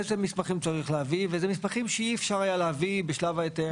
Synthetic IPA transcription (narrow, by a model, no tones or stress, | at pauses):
ezemispaχimt͡saʁiχlehavivezemispaχimʃeiefʃaʁajaleavibeʃlavajet̪e